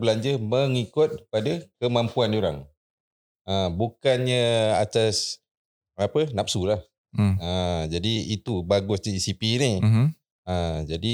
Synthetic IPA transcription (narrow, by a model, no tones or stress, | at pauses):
bəlaɲd͡ʒəməŋikʊt̪̚padakəmãmpuandioɾa̰ŋ | əbukanɲəat̪as | apənap̚sulah | əd͡ʒadiit̪ubaɡʊsɲaisipini | əd͡ʒadi